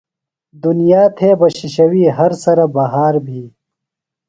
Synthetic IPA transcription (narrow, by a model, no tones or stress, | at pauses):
d̪ʊnijaːt̪ʰeːbɐɕiʃɐwiːɦɐɾsɐɾɐbɐɦaːɾbʱiː